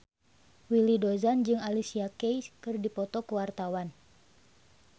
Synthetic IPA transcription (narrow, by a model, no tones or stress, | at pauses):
wilidɔzand͡ʒɨŋalisiakejskɨrdipɔt̪ɔkəwart̪awan